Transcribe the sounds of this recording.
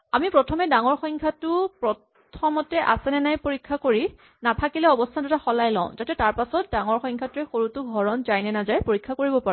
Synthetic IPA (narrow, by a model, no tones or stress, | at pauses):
amipɹɔtʰɔmɛdaŋɔɹxɔŋkʰatʊpɹɔtʰ | ɔmɔtɛʔa̰sɛnɛnajpoɹikʰːakoɹi | natʰakilɛɔbɔstʰandʊtaxɔlajlɔ̰̃ʊ̃zatɛtaɹpasɔt̚daŋɔɹxɔjŋkʰatʊɛxoɹutʊɡʱɔɹɔnzajnɛnazajpoɹikʰːakoɹibɔpaɹ